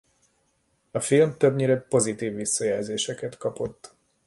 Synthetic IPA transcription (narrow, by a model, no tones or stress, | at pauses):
ɒfilmt̪øbɲiɾɛpo̞zit̪iːvːisːɒjæːlzeːʃɛkɛt̪kɒpo̞t̪ː